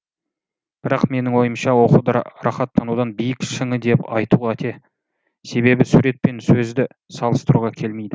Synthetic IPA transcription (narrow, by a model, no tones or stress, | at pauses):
b̥ɪɾɑqme̞nɪŋwo̞jəmʃɑwo̞qud̪ɾɑχɑt̪ʰːɑnud̪ɑnbijɪkʃɪŋəd̪e̞pɑjt̪uʁæt̪ʰe | se̞βe̞bɪsuɾe̞t̪̚pe̞nsɵzd̪ɪ | sɑlˠəst̪əɾuʁɑkʲʰe̞lme̞jd̪ɪ